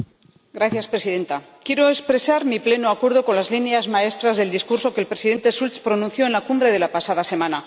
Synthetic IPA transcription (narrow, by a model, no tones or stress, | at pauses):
ɡɾaθjaspɾe̞siðe̞nt̪a | kje̞ɾo̞espɾe̞saɾmiple̞noakwe̞ɾð̞oko̞nlazlinjazmae̞st̪ɾazðe̞ld̪iskuɾso̞kelpɾe̞siðe̞nt̪e̞sult͡spɾo̞nũnθjo̞enlakumbɾe̞ð̞e̞lapasað̞ase̞mãna